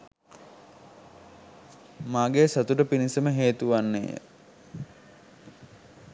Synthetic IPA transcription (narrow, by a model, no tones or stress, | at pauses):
maːɡesat̪uʈəpinisəməɦeːt̪uʋanːḛːjə̰